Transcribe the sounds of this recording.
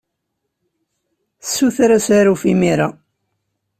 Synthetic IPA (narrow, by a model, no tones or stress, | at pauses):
sːuθɾæsaɾufimiɾa